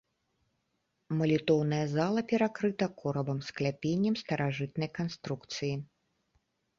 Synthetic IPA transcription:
mɐlʲit̪ɔwnɐjɐzalˠɐpʲɛɾakɾɨt̪ɐkʰɔɾɐbɐmsklʲapʲenʲːɐmst̪ɐɾaʐɨt̪nɐjkanst̪ɾukt̪sɨji

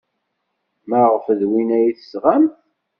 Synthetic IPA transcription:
mæʁəfəðwinæjiθə̥sʁæmθ

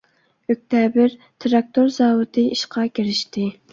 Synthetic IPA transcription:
øk̚ʲt̪ʰɛbɪɾt̪ʰɨɾɑk̚t̪oɾzɑːwɨt̪ʰɨiʃqʰɑkʲʰiɾɪʃt̪ɪ

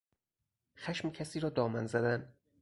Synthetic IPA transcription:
xæʃmcʰæsiːɾɒːd̪ɒːmænzæd̪æn

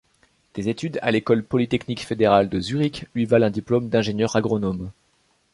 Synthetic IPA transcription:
d̪̥ezet̪yd̪a̰lekɔlpɔlit̪ɛknikfed̪eʁald̪əzyʁiklɥivalɛ̃d̪iplomd̪ɛ̃ʒenjœʁaɡʁɔnɔm

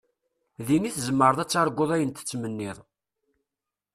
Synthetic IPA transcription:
ðiniθzəmːəɾˤəðˤæt͡sːɑɾˤɡʷoðˤæjənt̪ə̥t͡sːmənːɪðˤ

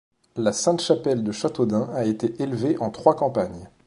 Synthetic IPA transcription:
lasɛ̃t̪ʃapɛld̪əʃat̪od̪ɛ̃aet̪eʔelveʔɑ̃t̪χwakɑ̃paɲ

